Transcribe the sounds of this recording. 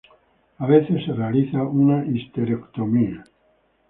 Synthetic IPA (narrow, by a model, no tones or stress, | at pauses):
aβeθesrealiθaunaʔist̪eɾekt̪omia